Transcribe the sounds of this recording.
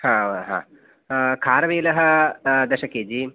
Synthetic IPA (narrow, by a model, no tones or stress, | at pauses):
hãːɦã̰ː | kʰaːɾɐʋeːlɐɦɐ̆d̪ɐʃɐkeːd͡ʒiː